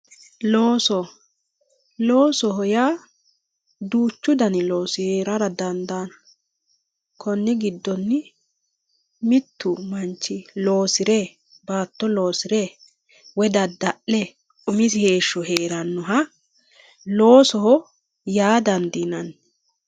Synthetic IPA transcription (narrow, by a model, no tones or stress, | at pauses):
loːsɔ | lo̞ːsɔɦɔjaː | d̪uːt͡ʃːʊd̪ɐnɪlo̞ːsɪheːɾɐɾɐd̪ɐnd̪aːnɐ | kʰɔnːɪɡɪd̪ːɔnːɪ | mɪt̪ːʊmɐnt͡ʃːɪlo̞ːsɪɾɛ | baːt̪ːɔlo̞ːsɪɾɛ | wɛd̪ɐd̪ɐʔɛ | ʔʊmɪsɪhe̞ːʃːɔɦe̞ːɾɐnːʊɦɐ | lo̞ːsɔhɔ | jaːd̪ɐnd̪inɐn